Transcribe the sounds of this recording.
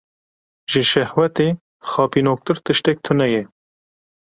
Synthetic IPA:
ʒɨʃɛhwɛt̪eː | xɑːpinoːk̚t̪ɨɾt̪ɨʃt̪ɛk̚t̪ʰʊnɛjɛ

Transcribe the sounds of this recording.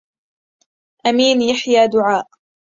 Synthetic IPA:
ʔamiːnjaħjaːd̪ʊʕaːʔ

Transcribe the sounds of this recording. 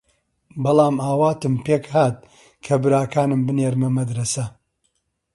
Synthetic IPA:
bɑlˠaːmaːwaːt̪ɨmpeːkhaːt̪̚ | kʰɐbɨɾaːkaːnɨmbɨneːɾmɐmɐd̪ɾɐsɐ

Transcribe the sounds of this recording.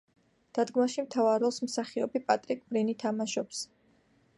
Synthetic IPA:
d̪̥ad̪ɡmaʃimt̪ʰavaɾɔlˠsmsaχiɔbipʼat̪ʼɾikʼbɾinit̪ʰamaʃɔps

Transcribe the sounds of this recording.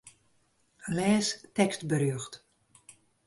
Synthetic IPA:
lɛːstɛkstbəɾjøxt

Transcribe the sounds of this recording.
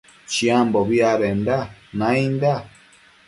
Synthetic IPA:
t͡ʃiãmboβiaɾend̪anãĩnd̪a

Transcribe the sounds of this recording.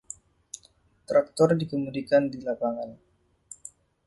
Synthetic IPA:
t̪ɾak̚t̪ɔrdikəmudikandilapaŋan

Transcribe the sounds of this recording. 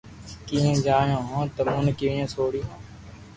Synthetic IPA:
kĩːẽːd͡ʒaːjõːɦõːt̪əmũːnkɪʋẽːsoːɽiːɦõː

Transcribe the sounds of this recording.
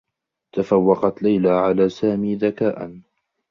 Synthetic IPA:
t̪afawːɑqɑt̪lajlaːʕalaːsaːmiːðakaːʔa̰n

